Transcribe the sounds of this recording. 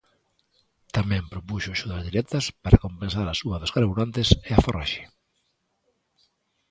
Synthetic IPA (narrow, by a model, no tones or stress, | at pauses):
t̪amɛ̃mpɾopuʃʊaʃʊðazðiɾɛt̪ɐspaɾʔakompẽnsaɾasuɐðoskaɾβuɾant̪eseafora̰ʃe̥